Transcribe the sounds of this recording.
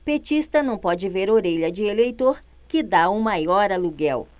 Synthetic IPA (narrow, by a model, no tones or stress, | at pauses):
pet͡ʃist̪ɐnɐ̃w̃pɔd͡ʒɪveɾoɾeʎɐd͡ʒɪelejt̪oɾ | kɪd̪aumajɔɾɐluɡɛw